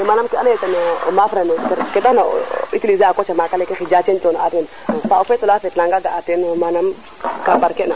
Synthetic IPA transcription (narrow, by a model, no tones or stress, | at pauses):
emanamkianajetanoo̰mafɾanokeɾketana̰itilizaakot͡ʃamakalekexid͡ʒat͡ʃentonoatenfaufetulafetlaŋɡaɡaatenomanam | kambaɾkena